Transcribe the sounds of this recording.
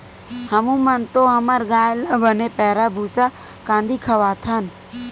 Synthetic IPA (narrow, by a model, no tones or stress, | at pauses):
hɐmũmənt̪oɦəməɾɡaːjləbəneːpɛːɾabʱuːsa | kãːnd̪ʱiːkʰəʋaːt̪ʰan